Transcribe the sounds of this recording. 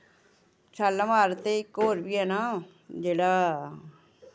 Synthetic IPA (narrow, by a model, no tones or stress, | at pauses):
t͡ʃʰalːãmaːɾt̪eɪkːoːɾbiɦɛːna | d͡ʒeːɽa